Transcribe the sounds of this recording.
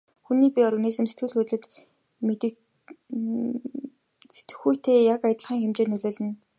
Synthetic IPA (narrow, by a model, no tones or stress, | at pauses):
xuniːpʲiɔɾɣə̆niːsɘ̆mset̪̚ɡɘ̆ɮxɵt̪ɮɵ̆t̪ | met̪ɘ̆ | se̥t̪ɘ̥̆xujʰt̪ʰeːjakajə̆t̪ə̆ɮχiːŋxemt͡ɕeːnːɵɮoːɮɘ̆n